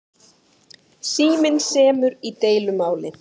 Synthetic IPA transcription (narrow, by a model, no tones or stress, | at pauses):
siːmɪnsɛːmʏɾit̪eːjlʏmaːwlɪ